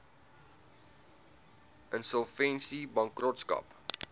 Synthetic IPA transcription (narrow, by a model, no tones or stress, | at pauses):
ʔənsəlˠfɛnsibɐŋkrɔtskɐ̰p